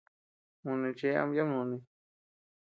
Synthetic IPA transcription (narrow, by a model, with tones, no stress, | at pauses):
mũ˧˨nĩ˧t͡ʃe˦a̰˧˦ja˦mũ˧˨nĩ˧